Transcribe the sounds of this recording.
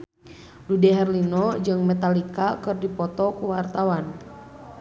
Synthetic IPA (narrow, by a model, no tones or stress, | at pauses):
ludɛɦɛrlinɔd͡ʒɨŋmɛt̪alikakɨrdipɔt̪ɔkuwart̪awan